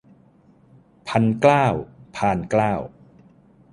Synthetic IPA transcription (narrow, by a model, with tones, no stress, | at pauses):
pʰa˧nklaː˥˩wpʰaː˧nklaː˥˩w